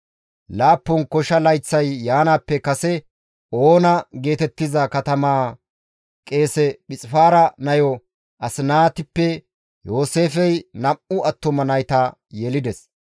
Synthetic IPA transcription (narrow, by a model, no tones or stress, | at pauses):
laːpːɔnkɔʃɐlɐjt͡sːɐjːaːnaːpːɛkɐsɛ | oːnɐɡe̞ːt̪ɛt̪ːɪzɐkɐt̪ɐmaː | kʼe̞ːsɛɓɪt͡sʼɪfaːɾɐnɐjɔ | ʔɐsɪnaːt̪ɪpːɛ | jo̞ːse̞ːfɛjnɐʔʊʔɐt̪ːɔmɐnɐjt̪ɐ | jɛlɪd̪ɛs